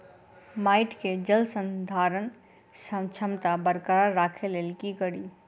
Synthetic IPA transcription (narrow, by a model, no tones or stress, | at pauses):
maɪʈked͡ʒəlsə̃nd̪ʱaɾən | sət͡ʃʰəmt̪abəɾkəɾaɾakʰelelkikəɾi